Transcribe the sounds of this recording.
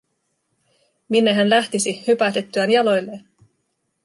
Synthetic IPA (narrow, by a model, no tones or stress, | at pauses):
minːeɦænlæht̪isihypæt̪e̞t̪ːyænjɑlo̞jlːe̞ːn